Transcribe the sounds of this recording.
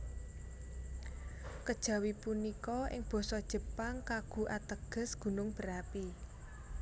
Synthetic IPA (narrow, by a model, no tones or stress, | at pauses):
kəd̥ʒ̥ä̤wipunikɔɪ̰ŋb̥ɔ̤sɔd̥ʒ̥ə̤paŋkaɡ̥ṳʔat̪əɡ̥ə̤sɡ̥ṳnʊŋb̥ə̤ɾapi